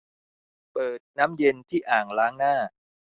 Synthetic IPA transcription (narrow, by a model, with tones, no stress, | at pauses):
pɤː˨˩t̪̚naː˦˥mje˧nt̪ʰiː˥˩ʔaː˨˩ŋlaː˦˥ŋnaː˥˩